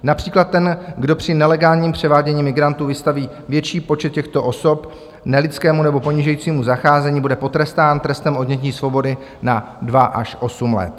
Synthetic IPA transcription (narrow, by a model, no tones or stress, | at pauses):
napr̝̥iːklat̪̚ːɛnɡdo̞pr̝̥ɪnɛlɛɡaːlɲiːmpr̝̥ɛvaːɟɛɲiːmɪɡɾant̪uːvɪst̪aviː | vjɛt͡ʃiːpo̞t͡ʃɛt̪̚cɛxt̪o̞ʔo̞so̞p | nɛlɪt͡skɛːmunɛbo̞po̞ɲiːʒɛjiːt͡siːmuzaxaːzɛɲiːbudɛpo̞t̪ɾɛst̪aːnt̪ɾɛst̪ɛmʔo̞dɲɛciːsvo̞bo̞dɪ | na | dvaʔaʃʔo̞sumlɛ̰t̪